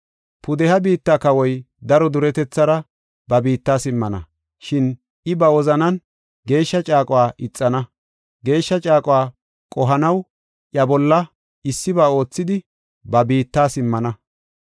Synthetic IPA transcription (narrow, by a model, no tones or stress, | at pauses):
pʊd̪ɛhɐbiːt̪ːaːkɐwɔj | d̪ɐɾɔd̪ʊɾɛt̪ɛt͡sːɐɾɐ | bɐbiːt̪ːaːsɪmːɐnɐ̰ | ʃɪn | ʔɪbɐwɔzɐnɐn | ɡe̞ːʃːɐt͡ʃʼaːkʼʊwaːʔɪt͡sʼːɐnɐ | ɡe̞ːʃːɐt͡ʃʼaːkʼwaː | kʼɔɦɐnɐw | ʔjɐbɔlːɐ | ɪsːɪbaːo̞ːt͡sːɪd̪ɪ | bɐbiːt̪ːaːsɪmːɐnɐ